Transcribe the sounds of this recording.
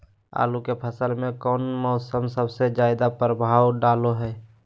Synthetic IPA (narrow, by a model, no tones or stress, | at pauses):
a̰ːlukepʰəsəlmẽkɔːnmɔʊsəmsəbsed͡ʒaːɪd̪apɾəbʱaːwɖaːloɦɛː